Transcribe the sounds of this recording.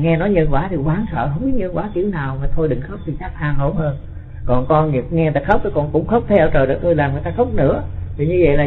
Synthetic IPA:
ŋɛ˧nɔ˨˦jɲə˧nkwaː˧˩˦t̪ʰi˨˩kwaː˨˦nsə̰ː˧˨ɦə˧wŋ͡mmi˦˥ɲə˧nkwaː˧˩˦kḭ˧˩əwnaː˨˩wmaː˨˩t̪ʰo˧jɗɨ˨˩ŋxə˦˥wp̚t̪ʰi˨˩t͡ɕaː˦˥k̚ʔaː˧ŋho˨˦ŋ͡mhəː˧n | kɔ˨˩nkɔ˧ni˨˩ŋɛ˧t̪aː˧˩xə˦˥wk͡p̚t̪ʰə˨˦kɔ˧˩nkʊ̰˧˥ŋ͡mxə˦˥wk͡p̚t̪ʰɛ˧ə˧˩t͡ɕəː˨˩ɗɨ˨˩k̚ʔəː˧jlaː˨˩mŋɨ˨˩jt̪aː˧xə˦˥wk͡p̚nɨ̰˧˥ət̪ʰi˨˩ɲɨ˧və̰˧˨jlaː˨˩

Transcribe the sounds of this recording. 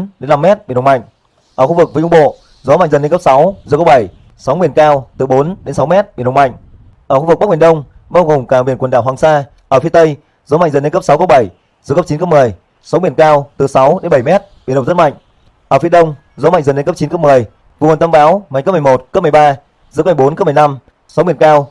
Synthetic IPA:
ɗe˨˦nːa˧mːɛ˦˥t̚ɓi˨˩˨ɗŋ͡mma̰˧˨jŋ̟ | ʔəː˧˩xu˧vɨ˨˩k̚vəː˨˦ʔu˧ŋ͡mɓo̰˧˨ | zɔ˨˦ma˧˨ŋ̟zə˨˩ne˧nkə˦˥p̚sa˨˦wzɨ˨˩kə˨˦˥ɓə˧˩j | sa˨˦wmi˧˩ənkaː˧wt̪ɨ˨˩ɓo˨˦nɗe˨˦nsa˨˦wmɛ˦˥t̚ɓi˨˩˨ɗŋ͡mma̰˧˨jŋ | ʔəː˧˩xu˧vɨ˨˩k̚ɓk̚ɓi˨˩ə˨ɗə˧wŋ͡m | ɓaː˧wɣo˨˩ŋ͡mkaː˧˩ɓi˨˩ənkə˨˩nɗaː˧˩waː˨˩ŋsaː˧ | ʔəː˧˩fi˧˦ət̪ə˧j | zɔ˨˦ma̰˧˨ŋzə˨˩nːle˧ŋkə˦˥p̚sa˨˦wkə˧˥ɓə˧˩j | zkə˦˥t͡ɕi˨˦kə˦˥p̚mɨ˨˩əj | sɔ˨˦wmi˧˩ənkaː˧wt̪ɨ˨˩sa˨˦wɗe˨˦nɓə˧˩jmɛ˦˥t̚ɓi˨˩nɗə˨˩ŋ͡mzə˦˥t̚ma̰˧˨jŋ̟ | ʔəː˧˩fi˨˦əɗə˧wŋ͡m | zɔ˨˦a˧˨ŋzə˨˩nle˧nkə˦˥t͡ɕi˨˦nkə˦˥p̚mɨ˨˩əj | vɨ̰˧˨˩nt̪ʰə˧ɓaː˨˦wma̰˨˧˨jŋkə˦˥pm˨˩mo˨˩t̚kə˦˥p̚m˨˩jɓaː˧ | zɨ̰˨˧˥ka˧˩jɓo˨˦nkə˦˥p̚m˨˩na˧m | sɔ˨˦wmi˧˩ənkaː˧w

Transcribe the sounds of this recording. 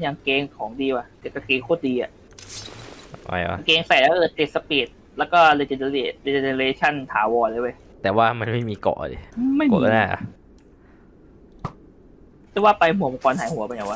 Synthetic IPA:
ja˨˩ŋkeː˧ŋkʰɔː˩˦ŋdiː˧wa˨˧˩t̪e˨˩ka˧˩keː˧ŋkʰoː˥˩diː˧ʔa̰˨˩ʔ | a̰˧˩a̰˧˨˧keː˧ŋsa˨˩lɛː˦˥ɤː˧t̪i˨˩t̪̚sa˧pi˨˩t̪̚ | lɛː˦˥wkɔː˥˩leː˧t͡ɕe˧na˧liː˧˩leː˧t͡ɕe˧na˧ɾeː˧t͡ɕʰa˥˩nt̪ʰaː˨˩˦wɔː˧nlaː˧˦wa˥˩j | t̪ɛː˨˩waː˥˩ma˧nma˥˩jmiː˧kɔ̰˨˩ʔa̰˧dḛ˧˦˧ma˥˩jkːkɔ˧˥˩naː˥˩ʔa̰˧˩ | tʰaː˥˩˦waː˥˩pa˧jmo˨˩˦m˧kɔː˧nhaː˩˦jhu˨˩˦pa˧ja˨˩wa˧

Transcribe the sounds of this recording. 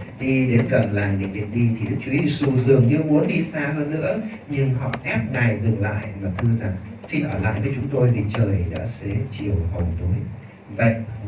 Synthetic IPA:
ɗi˧ɗe˨˦nkə˨˩nlaː˨˩mɗḭ˧˨ɗḭ˧˨ŋɗi˧t̪ʰi˨˩ɗɨ˦˥k̚t͡ɕu˨˦zi˧su˧zɨ˨˩əŋɲɨ˧mu˨˦ənɗi˧saː˧vəː˨˦zɨ̰˧˥ə | ɲɨ˧ŋɦɔ̰˧˨ʔɛ˦˥p̚ɗaː˨˩jzɨ˨˩ŋla̰ː˧˨jʔmaː˨˩t̪ʰɨ˧əza˨˩ŋsi˧nʔəː˧˩la̰ː˧˨jvəː˨˦jt͡ɕʊ˨˦ŋ͡mt̪o˧jvʰi˨˩t͡ɕəː˨˩jɗa̰ː˧˥sɛ˧˥t͡ɕi˨˩əwɦə˨˩ŋ͡mt̪u˨˦j | və̰˧˨jʔ

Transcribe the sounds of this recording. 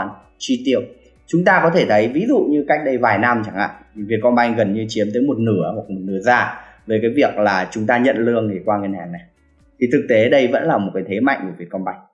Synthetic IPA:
n | t͡ɕwi˧t̪i˧˩əw̚ | t͡ɕʊ˨˦ŋ͡mt̪aː˧kɔ˨˦t̪ʰe˧˩t̪ʰə˨˦jvi˨˦zṵ˧˨ɲɨ˧ka˦˥jk̟̚ɗə˧jvaː˨˩jna˧mt͡ɕa˧˩ŋʔa̰ː˧˨vi˨˩ət̚kɔ˧nɓa˧jŋɣə˨˩nɲɨ˧t͡ɕi˨˦əmt̪əː˨˦jmo˨˩t̚nɨ˧˩əhwk̚mo˨˩t̚nɨ˨˦˥əzaː˧˩ | vəː˨˦jkaː˨˦jvi˨˩ək̚laː˨˩t͡ɕʊ˨˦ŋ͡mt̪aː˧ɲə̰˧˨nlɨ˧əŋːi˨˩kwaː˧ŋi˧nhaː˨˩ŋna˨˩j | t̪ʰi˨˩t̪ʰɨ˨˩k̚t̪e˨˦ɗə˧jvə̰˧˥nlaː˨˩mo˨˩t̚kaː˨˦jt̪ʰe˨˦ma̰˧˨jŋ̟ku˧˩vi˨˩ət̚kɔ˧nɓa˧jŋ̟

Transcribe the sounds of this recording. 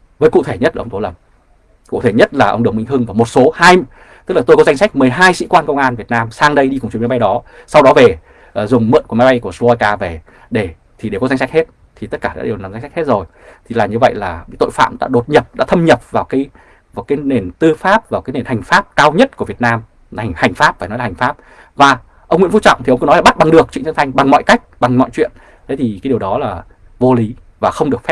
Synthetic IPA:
vəː˨˦jkṵ˧˨t̪ʰe˧˩ɲə˦˥t̚la˨ə˧ŋ͡mto˨˦lə˨˩m | kṵ˧˨t̪ʰe˧˩ɲə˦˥t̚laː˨˩ʔə̰˧wŋ͡mɗɨ˨˩əŋ͡mmḭ˧ŋ̟ɦɨ˧ŋvaː˨˧˩mo˨˩t̚so˨˦haː˧j | t̪ɨ˦˥k̚laː˨˩t̪o˧jkɔ˨˦za˧jŋsa˦˥k̟̚mɨ˨˩əjɦaː˧jsḭ˧˥kwaː˧nkə˧wŋ͡mŋʔaː˧nvi˨˩ət̚naː˧msaː˧ŋɗə˧jɗi˧kʊ˨˩ŋ͡mt͡ɕi˧˩ma˨˦jɓa˧jɗɔ˨˦sa˧wɗɔ˨˦ve˨˩ | ʔə˨˩zʊ˨˩ŋ͡mmɨ̰˧˨nku˧˩əma˨˦jɓa˧jku˧˩ə˩slo˧a˧jkaː˧ve˨˩ | ɗe˧˩ | t̪ʰi˨˩ɗe˧˩kɔ˨˦za˧ŋsa˦˥k̚he˦˥t̚ | t̪ʰi˨˩t̪ə˦˥t̚kaː˧˩ɗa̰ː˧˥ɗe˨˩wnaː˨˩mza˧ŋ̟sa˦˥k̚he˦˥t̚zo˨˩j | t̪ʰi˨˩laː˨˩ɲɨ˧və̰˧˨jlaː˨˩i˧˦jt̪o̰˧˨jfa̰ː˧˨mɗa̰ː˧˥ɗo˨˩t̚ɲə˨˩p̚ɗa̰ː˧˥t̪ʰə˧mɲə˨˩p̚vaː˨˩wkaː˨˦j | vaː˨˩wkaː˨˦jne˨˩nt̪ɨ˧faː˦˥p̚vaː˨˩wkaː˨˦jne˨˩nha˨˩jŋ̟faː˦˥p̚kaː˧wɲə˦˥t̚ku˧˩vi˨˩ət̚naː˧m˨˩ | ha˨˩jŋ̟faː˦˥p̚faː˧˩nɔ˨˦laː˨˩ŋ̟faː˦˥p̚ | vaː˨˩ | ʔə˧wŋ͡mŋḭ˧˥˦fu˧˦˥t͡ɕɔ̰˧˨ŋ͡mt̪ʰi˨ə˧wŋ͡mkːnɔ˨˦jlːɓa˦˥t̚ɓa˨˩ŋɗɨ˨˩ək̚t͡ɕw̰nt͡ɕə˧nt̪ʰa˧ŋ̟ɓa˨˩ŋmɔ̰˧˨jka˦˥jk̚ɓa˨˩ŋmɔ̰˧˨jt͡ɕwḭ˧˨ən | t̪ʰe˨˦t̪ʰi˨˩kaː˨˦ɗi˨əwɗɔ˨˦laː˨˩ | vo˧li˨˦ | vaː˨˩xə˧wŋ͡mɗɨ˨˩ək̚fɛ˦˥

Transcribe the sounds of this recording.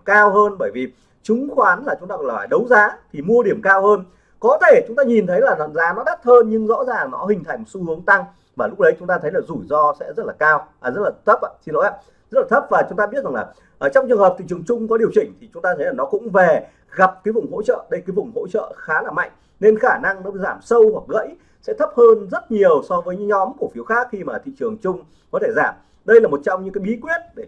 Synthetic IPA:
kaː˧whəː˧nɓəː˧˩jvi˨˩ | t͡ɕʊ˨˦ŋ͡mxwaː˨˦nlaː˨˩t͡ɕʊ˨˦ŋ͡mt̪aː˧kɔ˧˨lfaː˨˩ɗə˨˦wzaː˨˦t̪ʰi˨˩mu˧əɗi˧˩əmkaː˧whəː˧n | kɔ˨˦t̪ʰe˧˩t͡ɕʊ˨˦ŋ͡mt̪aː˧ɲi˨˩nt̪ʰə˨˦jlaː˨˩za̰˨nzaː˨˦mɔ˦˥ɗə˦˥t̚həː˧nɲɨ˧ŋzɔ̰˧˥zaː˨˩ŋnɔ˨˦ɦï˨˩ŋ̟t̪ʰa˨˩jmo˨˩t̚su˧hɨ˨˦əŋt̪a˧ŋ | vaː˨˩lʊ˦˥k͡p̚ɗə˨˦jt͡ɕʊ˨˦ŋ͡mt̪aː˧t̪ʰə˨˦jlaː˨˩zu˧˩jzɔ˧sɛ̰˧˥zə˦˥t̚laː˨˩kaː˧wzə˦˥t̚laː˨˩t̪ʰə˦˥p̚ʔa̰ː˧si˧nɔ˨˦ʔa̰ː˧˥ | zə˦˥t̚laː˨˩t̪ʰə˦˥p̚vaː˨˩t͡ɕʊ˨˦ŋ͡mt̪aː˧ɓi˦˥ət̚za˨˩laː˨˩ | ʔːt͡ɕɔ˧wŋ͡mt͡ɕɨ˨əŋɦə˨˩p̚t̪i˧˨t͡ɕəŋt͡ɕʊ˧ŋ͡mkɔ˨˦ɗi˨˩əwt͡ɕï˧˩ŋ̟t̪ʰi˨˩t͡ɕʊ˨˦ŋ͡mt̪aː˧t̪ʰə˨˦jlaː˨˩nɔ˨˦kʊ̰˧˥ŋ͡mve˨˩ | ɣa˨˩p̚kaː˨˦jvʊ˨˩ŋ͡mɦo̰˧˥t͡ɕə̰ː˧˨ɗə˧jkaː˨˦vʊ˨˩ŋ͡mho̰˧˥t͡ɕə̰ː˧˨xaː˨˦laː˨˩ma̰˧˨jŋ̟ | ne˧nxaː˧˩na˧ŋnɔ˨˦˧zaː˧˩msə˧wwa˨˩k̚ɣə̰˧˥j | sɛ̰˧˥t̪ʰə˦˥p̚həː˧nzə˦˥t̚ɲi˨˩əwsɔ˧vəː˨˦jɲɨ˧˥ɲɔ˨˦mku˧˩əfi˨˦əwxaː˦˥k̚xi˧maː˨˩t̪ʰḭ˧˨t͡ɕɨ˨˩əŋt͡ɕʊ˧ŋ͡m | kɔ˨˦t̪ʰe˧˩zaː˧˩m | ɗə˧jlaː˨˩mo˨˩t̚t͡ɕɔ˧wŋ͡mɲɨ̰˧˥kaː˨˦jɓi˨˦kwi˦˥ət̚ɗe˧˩

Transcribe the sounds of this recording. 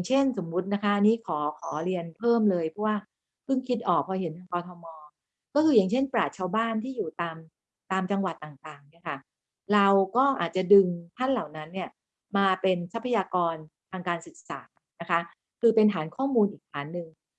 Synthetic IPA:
a˨˩ŋt͡ɕʰe˥˩nso˩˦mːu˦˥t̪̚na˦˥kʰa˦˥ʔniː˦˥kʰɔː˩˦kʰɔː˩˦ɾi˧ənpʰɤː˥˩mlɤː˧jpʰɔ˦˥waː˥˩ | pʰɯ˥˩ŋkʰi˦˥t̪̚ʔɔː˨˩k̚pʰːɔː˧ɦe˩˦nt̪ʰaː˧ŋkɔː˧t̪ʰɔ˧mɔː˧ | kɔː˥˩kʰɯː˧ja˨˩ŋt͡ɕʰe˥˩npɾaː˨˩t̪̚t͡ɕʰaː˧wbaː˥˩nt̪ʰiː˥˩juː˨˩t̪aː˧m | t̪aː˧mt͡ɕa˧ŋwa˨˩t̪ːaː˨˩ŋt̪aː˨˩ŋni˥˩ɐkʰa˥˩ | ɾa˧wkɔː˥˩ʔa̰ː˨˩t̪̚t͡ɕa˨˩dɯ˧ŋt̪ʰa˥˩nla˨˩wna˦˥nːi˥˩ɐ | maː˧pe˧nsa˦˥pʰːa˧jaː˧kɔː˧nt̪ʰaː˧ŋkaː˧nsɯ˨˩k̚saː˩˦ | na˦˥kʰa˦˥ | kʰɯː˧pe˧nt̪ʰaː˩˦nkʰɔː˥˩muː˧nʔiː˨˩k̚t̪ʰaː˩˦nːɯ˨˧ŋ

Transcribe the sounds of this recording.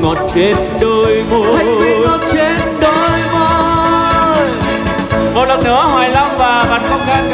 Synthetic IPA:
ŋo˨˩t̚t͡ɕe˧n | ɗəː˧jmo˧˨o˨˩t̚t͡ɕe˧˥nɗə˧jmo˧˦ | mo˨˩t̚lə˨˩nɨ̰˧˥əɦwaː˨˩jla˧wŋ͡mvaː˨˩ɓaː˨˩nkɔ˧˦ɣa˧˩n

